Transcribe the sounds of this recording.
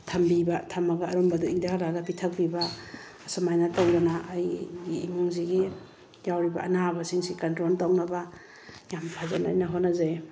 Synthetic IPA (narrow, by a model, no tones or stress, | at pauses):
tʰɐmbibatʰɐmaɡaːɾombaduiŋdahalaɡapitʰɐk̚bibaː | samajnatawdanaʔːjɡiːmuŋziɡi | jawɾibaːnabasiŋsikantɾontawnɐba | jampʰazana̰jnaɦonːaza